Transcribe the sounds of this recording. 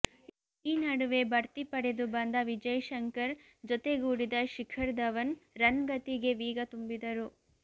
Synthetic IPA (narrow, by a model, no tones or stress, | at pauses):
iːnɐɽuʋe̞bɐɾt̪ipɐɽe̞d̪ubɐnd̪ɐʋid͡ʒɐjʃɐŋkɐɾ | d͡ʒɔt̪e̞ɡuːɽid̪ɐʃikʰɐɾd̪ɐʋɐnɾɐnɡɐt̪iɡe̞ʋiːɡɐt̪umbid̪ɐɾu